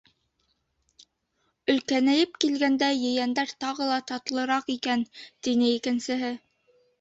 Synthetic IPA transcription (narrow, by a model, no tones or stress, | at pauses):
ɵ̆lkænæjɘpkilɡænd̪æjɘ̆jænd̪æɾt̪ɑʁɤlˠɑt̪ɑt̪ɤ̆lˠɤ̆ɾɑqikænt̪inɘikɘ̆nsɘ̆ɦɘ